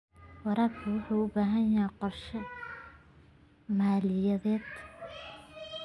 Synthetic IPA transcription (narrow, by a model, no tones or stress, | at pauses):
wɑɾɐrkʰʊwʊħuːʊbaːɦɐnjaqɔrʃɐ | maːlɪjɐðɛːd̪